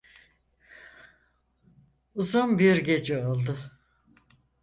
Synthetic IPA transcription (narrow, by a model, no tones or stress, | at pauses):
uzunbiɾɟe̞d͡ʒɛolˠd̪ʊ